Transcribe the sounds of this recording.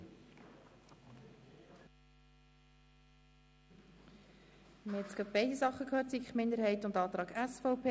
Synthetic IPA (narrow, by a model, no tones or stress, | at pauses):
mhɛt̪t͡skɑp̚b̥ɛɪdisɑχːəkʰhøːɾtt͡sikχmɪnd̪əɾɦhɛɪtʊndɑːt̪ɾɑːɡæsfoʊpʰeː